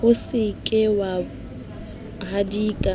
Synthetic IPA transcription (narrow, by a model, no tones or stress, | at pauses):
hʊsɪkʼɪwa | hadiːkʼa